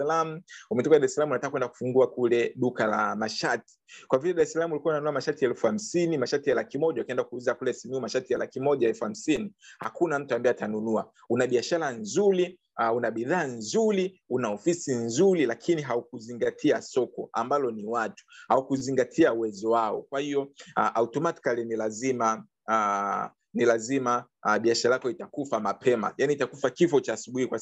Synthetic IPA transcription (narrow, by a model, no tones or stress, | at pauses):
lamuumɛtɔkaɗaɾɛsalamunatakakwɛndaku̥fuŋɡuakulɛɗukala̰maʃati̥kwavilɛɗaɾɛsalamulikuwaunanunuamaʃatiɛlfuham̩sinimaʃatijalakimɔʄaakiɛndakuuzakulɛsimiumaʃatijalakimɔʄaɛlfuham̩siniha̰kunam̩tuambaɛjatanunua | unaɓiaʃaɾanzuɾi | unaɓiðaːnzuɾiunaɔfisinzuɾilakʰiniɦaukuziŋɡatʰiasɔkɔambalɔniwatu̥haukuziŋɡatʰiauwɛzɔwaɔ̰kwahiɔʔautɔmati̥kalinilazima | nilazima | ɓiaʃaɾajakɔitakufamapʰɛma̰janiːtakufakifɔt͡ʃaːsuɓuhikwa